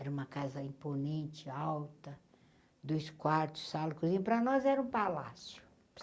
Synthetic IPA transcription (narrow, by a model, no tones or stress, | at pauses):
ɛɾɐũmɐkazɐĩponẽnt͡ʃɪawt̪ɐ | d̪ojskwaɾt̪ʊ̥ssalɐkuzĩɲʊpɾɐnɔzɛɾɐũpalasjʊ̥